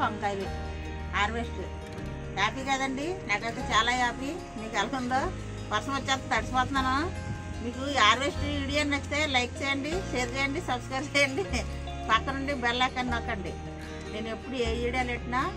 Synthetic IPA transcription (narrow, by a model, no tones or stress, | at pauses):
ɐnt̪aːjli | aːɾʋesʈu | jaːpiːkaːd̪ɐɳɖinaːkɐjt̪eːt͡ʃaːlaːjaːpi | miːkɐlɐkund̪oː | ʋɐɾsɐmɐt͡ʃːaːt̪ːɐd̪ɐɽɐsipɔːt̪nːaːna | miːkuaːɾʋesʈiːɽijanːest̪e̞ːlɐjk̚t͡ʃeɛːjɐɳɖiʃejɐɾd͡ʒɛːjɐɳɖisɐbskɾɐjbt͡ʃɛːjɐɳɖi | paːt̪ːɐɾɐɳɖibɛllɛkːɐnnɐkːɐɳɖi | ne̞ːnepːuɽueːjiːɽijaleːʈnaː